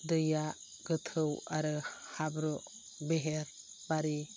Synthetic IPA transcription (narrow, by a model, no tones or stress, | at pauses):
d̪ɯja | ɡɯt̪ʰɯwaɾɯhabɾɔ | beɦeɾ | baɾi